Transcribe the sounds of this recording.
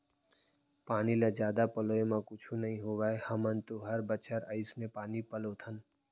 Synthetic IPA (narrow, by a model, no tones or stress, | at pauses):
paːniled͡ʒjaːd̪apɐloːemãkʊt͡ʃʰunɐɦĩɦoːwaehɐmənt̪oɦɐɾbət͡ʃʰəɾəɪsnepaːnipɐloːt̪ʰən